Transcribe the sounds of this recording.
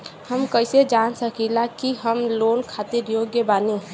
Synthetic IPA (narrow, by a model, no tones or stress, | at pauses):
həmkəɪsed͡ʒansəkilakiɦəmloːnkʰat̪iɾjoɡjəbaːni